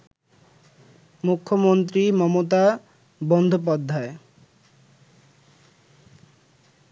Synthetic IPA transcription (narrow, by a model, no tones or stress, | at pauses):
mukʰːomont̪̬ɾimɔmot̪a | bɔnd̪ʱop̬ad̪ʱːae